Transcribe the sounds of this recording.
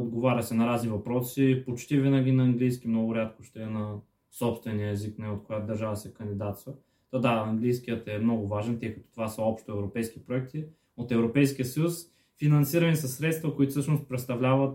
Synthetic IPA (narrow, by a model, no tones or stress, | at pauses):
od̪ɡovaɾʲəsɛnɐɾaznivɐpɾɔsipot͡ʃt̪ivinɐɡʲinɐːŋɡlijsk̟imnɔɡʊɾʲat̪ko̥ʃt̪ɛɛnɐ | sɔpst̪vɛniəɛziknɛot̪kojat̪d̪ɐɾʒavəsɛkɐnd̪id̪at̪svə | t̪od̪aɐŋɡlijsk̟ijət̪ɛmnɔɡʊvaʒɛnt̪ɛjkɐ̥t̪ɔ̥t̪ovasəɔpʃt̪oɛvɾopɛjsk̟ipɾoɛk̚t̪i | ot̪ɛvɾopɛjsk̟ʲijəsəjus | finɐnsiɾɐnisɐsːɾɛt̪st̪vəkoit̪ofsɤʃnost̪̚pɾɛt̪st̪ɐvlʲavət̪